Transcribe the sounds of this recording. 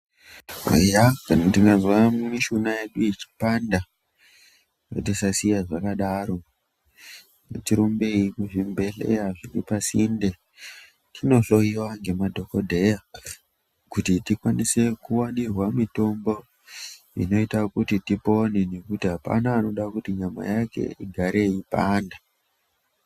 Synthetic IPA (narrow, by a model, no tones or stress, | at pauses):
a̰jakanatiŋɡazwamumiʃunaje̞ɗuit͡ʃi̥panda | kḛtisasijaʐakaɗaːɾo̞ | mṵtiɾumbe̞ikuʐimbe̞ɬḛjaʐiɾipasinde | tʰino̞ɬo̞jiwaŋɡe̞madʱo̞ko̞dʱe̞ja | kutitikwanise̞kuwanirwamito̞mbo̞ | ḭno̞itakutitipo̞nene̞kutiɦapa̰naːno̞ɗakutiɲama̰jake̞̰iɡʱaɾʔe̞ipa̰ːnda